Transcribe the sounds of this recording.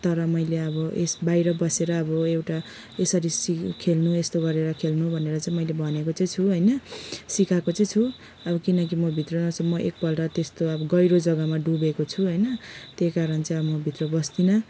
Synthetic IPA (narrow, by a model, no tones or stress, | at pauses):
t̪ʌɾʌmʌjleʌbʌʔesbajɾʌbʌseɾʌːbʌewʈa | esʌɾisikʰelnuest̪oɡʌɾeɾʌkʰelnubʱʌneɾʌt͡saĩmʌjlebʱʌnekot͡sʌ̃j̃t͡sʰuɦʌjnʌsikakot͡sʌj̃t͡sʰu | ʌbʌkinʌk̬imʌbʱit̪ronʌt͡sʰʌmʌʔek̚pʌlʈʌt̪est̪oʌbʌɡʌjɾod͡zʌɡʌmaɖubekot͡sʰuɦʌjnʌt̪ekaɾʌnt͡sʌ̃ĩʌʌmʌbʱit̪robʌsd̪inʌ